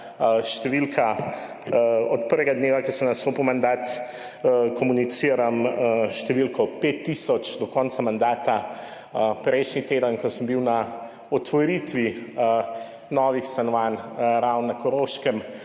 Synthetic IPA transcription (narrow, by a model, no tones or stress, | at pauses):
ʃt̪ɛʋilkʰa | ɔt̪̚pəɾʋɛɡad̪neːʋakɛsəmnasoːpumand̪aːt̪ | kɔmunit̪siːɾamʃt̪ɛʋilkɔpet̪ːisɔt͡ʃd̪ɔkɔnt̪samand̪aːt̪a | pɾɛjʃnit̪eːd̪ənkɔsəmbiwna | ɔt̪ʋɔɾit̪ʋi | nɔːʋixst̪anɔʋaːnɾawnːakɔɾoʃkɛm